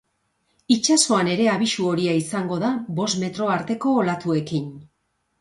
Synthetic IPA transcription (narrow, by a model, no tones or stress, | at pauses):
it͡ʃaso̞ane̞ɾe̞aβiʃuo̞ɾiaisaŋɡo̞ðaβo̞sme̞t̪ɾo̞aɾt̪e̞ko̞ːlat̪ue̞kin